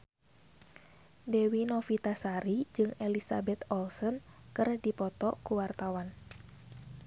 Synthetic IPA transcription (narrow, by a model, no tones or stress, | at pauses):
dɛwinɔfit̪asaɾid͡ʒɨŋelisa̰bɛt̪ɔlsɔnkɨrdipɔt̪ɔkuwart̪awan